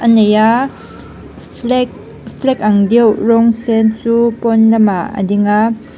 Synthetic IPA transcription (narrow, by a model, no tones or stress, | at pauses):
ʔəneja | fʰlɛk̚ɐŋdiwrɔŋsɛnt͡supɔnlɐmaə̰diŋa